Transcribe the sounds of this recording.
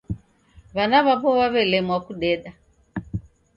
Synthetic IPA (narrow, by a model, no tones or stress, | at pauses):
βanaβaβɔβaβɛlɛmwakuɗɛɗa